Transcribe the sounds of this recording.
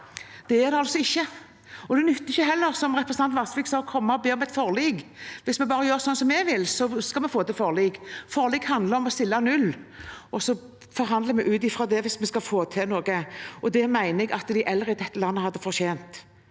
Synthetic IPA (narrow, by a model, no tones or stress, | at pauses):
d̪̥ɛæʁd̪ɛɑlsɔɪçːə | ɔd̪ɛnʏt̪ːɪçːəɦɛlːəɾsɔmʁɛpɾəsn̩ɑnlɑsʋiːksɑːkʰɔmːɑɔbeːɔmɛt̪fɔʁliːɡʋɪsmɛbɑːɾəjøːɾsɔnːsɔmɛɡʋɪlsɔskɑlmɛfoːt̪ɪlfɔʁliːɡfɔʁliːɡhɑnd̪ləɾɔmɔst̪ɪlːɑnʉlːɔsɔ | fɔɾɦɑnd̪ləmɛʔʉːt̪ɪfɾɑd̪ɛʋɪsmɛskɑfoːt̪ʰɪnoːɡəɔd̪ɛmæɪnɛɡɑt̪d̪æɪʔɛlːəɾəɪd̪ɛt̪ːəlɑnːəhɑd̪ːəfɔʁɕeːnt̪